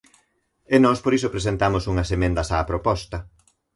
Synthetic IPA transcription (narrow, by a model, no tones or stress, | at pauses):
enɔspoɾisopɾesent̪amosuŋɐsemẽnd̪ɐsaːpɾopɔst̪ɐ